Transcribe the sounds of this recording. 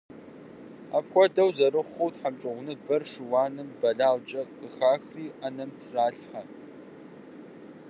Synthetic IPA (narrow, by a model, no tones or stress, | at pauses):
a̰ːpxʷɔdɐwzɐrɨχʷowtħamt͡ʃʼɪʁʷʊnɨbɐrʂɨwɑːnɨmbɐɮaːlt͡ʃʼɐqʼəxaːxriːʔɐnɐmtʰraːɬħa